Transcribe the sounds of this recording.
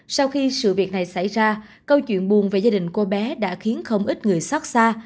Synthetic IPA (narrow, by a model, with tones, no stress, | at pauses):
sa˧wxi˧sɨ̰˧˨vi˨˩ək̚na˨˩jsa̰˧˩jzaː˧ | kə˧wt͡ɕwḭ˧˨ənɓu˨˩nve˨˩zaː˧ɗï˨˩ŋ̟ko˧ɓɛ˨˦ɗa̰ː˧˥xi˨˦ənxə˧wŋ͡mʔi˦˥t̚ŋɨ˨˩əjsa˦˥t̚saː˧